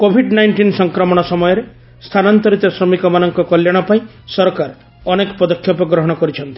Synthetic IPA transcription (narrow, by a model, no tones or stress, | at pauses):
kobʱiɖnajɳʈinsɔŋkɾɔmɔɽ̃ɔsɔmɔjɔɾe | st̪ʰanant̪ɔɾit̪ɔsɾɔmikɔmanɔŋkɔkɔljaɽ̃ɔpaĩ | sɔɾkaɾ | ɔnekɔ̥pɔd̪ɔkʰjɔpɔɡɾɔɦɔɽ̃ɔkɔɾit͡ʃʰɔnt̪i̥